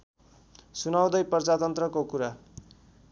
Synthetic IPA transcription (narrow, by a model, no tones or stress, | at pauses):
sunaw̃d̪ʌjpʌrd͡zat̪ʌnt̪rʌkokuɾa